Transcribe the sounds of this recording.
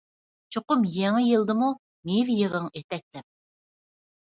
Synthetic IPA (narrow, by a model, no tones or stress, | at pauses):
t͡ʃʰoqʊmjeŋɪjɨlˠd̪ɨmu | mevjəʁəŋet̪ɛk̚ʲlɛp̚